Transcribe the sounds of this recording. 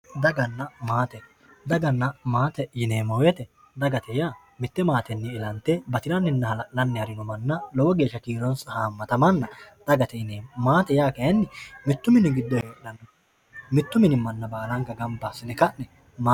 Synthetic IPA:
d̪ɐɡɐnːɐmaːt̪ɛ | d̪ɐɡɐnːɐmaːt̪ɛjɪneːmɔwjɛt̪ɛ | d̪ɐɡɐt̪ɛjaː | mɪt̪ːɛmaːt̪ɛnːɪːlɐnt̪ːɛbɐt̪ɪɾɐnɪnːɐɐlɐnːɪhɐɾɪnɔmɐnːɐlɔwɔɡe̞ːʃːɐkiːɾɔnshaːmːɐt̪ɐmɐnːɐd̪̥ɐɡɐt̪ɛjɪnemaːt̪ɛjaːkɛjɐnːɪmɪt̪ːʊmɪnɪɡɪd̪ːɔheːlɐnː | mɪt̪ːʊmɪnɪmːɐnːɐbaːlɐŋkɐɡɐmbasɪnɛkɐʔnɛ | mː

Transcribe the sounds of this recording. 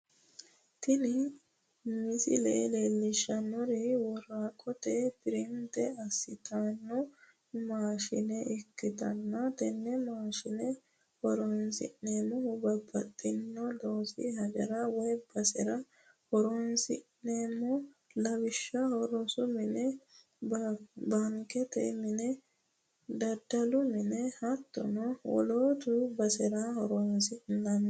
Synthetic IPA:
t̪ɪnɪ | mɪsɪ̰lɛ̰ʔleːlːɪʃːɐnːɔɾɛwɔɾaːkʼɔt̪ɛpɪɾɪnt̪ɛɐsːɪt̪ʰaːnːɔ | maːʃɪnɛʔɪkːɪt̪ɐnːɐt̪ɛnːɛmaːʃɪnɛ | hɔɾɔnsɪ̰ʔeːmːɔʊbɐbːɐt̪ʼːɪnːɔd̪oːsɪ̰hɐɡɐɾawɔjbɐsɛɾɐ | hɔɾonsɪʔneːmɔ | lɐwɪʃːɐhɔɾɔsʊmɪnɛ | bɐŋkɛt̪ɛ̰mɪnɛ | d̪ɐd̪ɐlʊmɪnɛhɐt̪ːɔ̰nɔwɔ̰loːd̪ʊbɐsɛɾahɔɾɔnsɪnːɐn

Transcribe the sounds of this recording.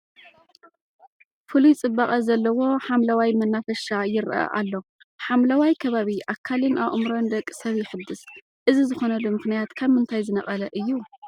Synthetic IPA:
fulit͡sʼɨbːaχʼɐzɐlːɐwo̞ħamlɐwajmɐnːafɐʃajɪɾʔɐ̰ʔa̰lːo̞ | ħamlɐwajkʰɐβaβiʔakʰːalinʔaʔmɾond̪ɐkʼːsɐβjɪħɨd̪ɨs | ʔɨzizɨxo̞nɐlumɨxnijat̪kʰɐβmɨnt̪ʰajzɨnɐχʼɐlɐʔɨjːu

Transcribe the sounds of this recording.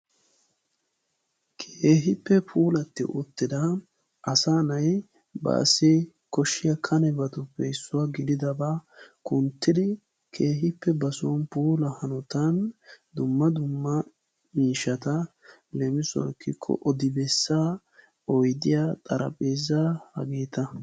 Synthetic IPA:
kʰeːɦɪpːɛpʰuːlɐt̪ːɪ̰ʔʊt̪ːɪd̪ɐ | ʔɐsaːnɐj | bɐ̰ːsɪ | kɔʃːɪjɐkʰɐnɛbɐt̪ʊpːɛɪsːʊwaɡɪd̪ɪd̪ɐbakʊnt̪ːɪd̪ɪ | kʰe̞ːɦɪpːɛbɐsɔnpuːlɐhɐnɔt̪ɐnd̪ʊmːɐd̪ʊmːɐ | miːʃɐt̪ɐ | lɛmɪsʊwɐ̰kʰːɪkʰːɔ̰ʔɔd̪ɪbɛsːa | ɔjd̪ɪjat̪ʼɐɾɐ̰pʼeːzɐhɐ̰ɡeːt̪ɐ

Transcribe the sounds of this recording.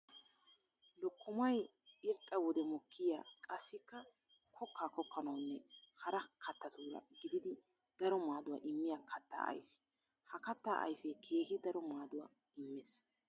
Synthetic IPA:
lɔkːʊmɐj | ɪɾt̪ʼːɐwɔd̪ɛmɔkʰːɪja̰ːkʼɐsːɪkːɐ | kʰɔkːaːkɔkːɐnɐwnːɛhɐɾɐkʰɐt̪ːɐt̪uːɾɐ̰ɡɪd̪ɪd̪ɪ | d̪̥ɐɾɔmaːd̪ʊwa̰ʔɪmːɪjakʰɐt̪ːa̰ːʔɐ̰jfɛ̥ | hɐkɐt̪ːaːʔɐ̰jfɛkʰe̞ːhɪd̪ɐɾɔmaːd̪ʊwa̰ | ɪmːɛs

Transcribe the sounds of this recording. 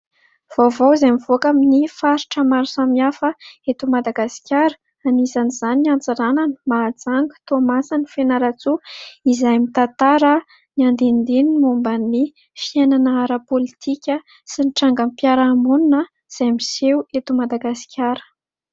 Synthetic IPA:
v̥ovowzajmivoakaminifaɾiʈ͡ʂəmaɾusamiafəet̪umad̪aɡasi̥kʲjaɾə̥ | anizaniz̥aniant͡saɾananə̥maːd͡zaŋɡu̥t̪omasanifenaɾat͡suizajmit̪at̪aɾə | niand̪end̪enmumbanːi | fienanəaɾəpolit̪ʰikʲə | siniʈ͡ʂaŋɡampjaɾaːmununə | z̥ajmisewet̪umad̪aɡasi̥kʰʲjaɾə̥

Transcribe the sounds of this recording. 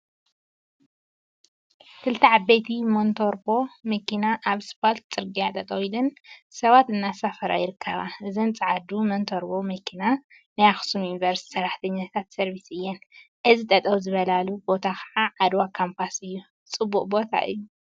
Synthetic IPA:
kʰɨlt̪ʰiʕabːejt̪ʰimont̪ʰoɾbo̞mɐkʰinaʔaβspʰolt̪̚t͡sʼɨɾɡijat̪ʼɐt̪ʼɐwilɨnsɐβat̪ɨnːasafɐɾa̰jɪɾɨkʰːɐ̰βa̰ʔɨzint͡sʼɨʕad̪umont̪ʰoɾbo̞mɐkʰina | najaxsumjunivɐɾst̪i̥sɐrːaħt̪ʰɐɲːat̪ʰat̪sɐɾβisɨjːɛnʔɨzit̪ʼɐt̪ʼɐwzɨβɐlalubo̞t̪ʰaxʰaʕaʕad̪wakʰampʰasɨjːu | t͡sʼɨbːukʼbo̞t̪ʰa̰ʔɨ̰jːu

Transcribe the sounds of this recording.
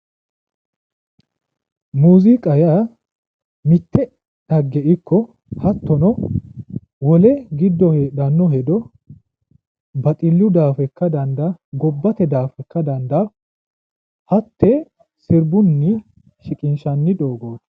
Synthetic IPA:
muːzɪkʼɐja | mɪt̪ːɛ | d̪ɐɡːɛʔɪkʰːɔ | hɐt̪ːɔnɔ | wɔlɛɡɪd̪ːɔheːɗɐnːɔɦɛd̪ɔ | bɐt̪ʼɪlːʊd̪aːfɛkːɐd̪ɐnd̪ɐɡɔbːɐt̪ɛd̪aːfɛkːɐd̪ɐnd̪ɐ | hɐt̪ːɛ | sɪɾbʊnːɪ | ʃɪkʼɪnʃɐnːɪd̪oːɡoːd̪

